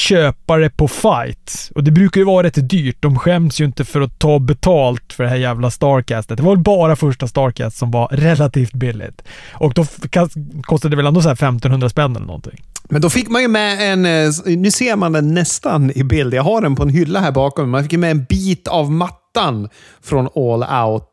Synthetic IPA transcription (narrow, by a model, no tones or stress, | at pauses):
ɕøːpaɾəpʰɔfajt̪ɔd̪ɛbɾʉːkaɾjɵvɑːɾaɾɛt̪ːd̪yːʈ̚d̪ɔmɧɛmd̪sjɵɪnt̪əfœɾɔt̪ʰːɑːbɛt̪ʰɑːlt̪fœɖɛɦæːɾjæːvlast̪ɑːɾkʰæːst̪ət̪d̪ɛvaɾvɛlbɑːɾafœʂʈast̪ɑːɾkʰæ̰ːst̪sɔmvaɾɛlːat̪ʰiːft̪̚bɪlːɪ̰t̪ʔɔkd̪ɔkakʰɔst̪ad̪ɛvɛlɛnd̪oːs̬ahæːɾfɛmt̪ɔnhɵnd̪ɾaspɛnːɛlːə̰nɔ̰nt̪ʰɪ̰ŋmɛnd̪ɔfɪkːmanjɵmɛɛnnʉ̟ːseːɾmand̪ɛnːɛst̪anɪbɪld̪jaɡɦaɖɛnpʰɔɛnɦʏlːahæːɾbɑːkɔmmanfɪkjmɛːnbiːt̪avmat̪ːan | fɾɔnɔla̰ʊt̪